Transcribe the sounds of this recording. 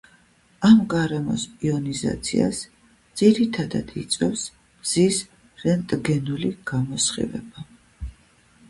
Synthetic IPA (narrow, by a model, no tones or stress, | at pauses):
amɡaɾɛmɔsiɔniza̰t̪sʰḭa̰s | d̪z̥iɾit̪ʰad̪a̰d̪̥it̪sʼwɛfs | bz̥is | ɾɛnt̪ʼɡɛnuliɡ̥amɔsχḭvɛ̰ba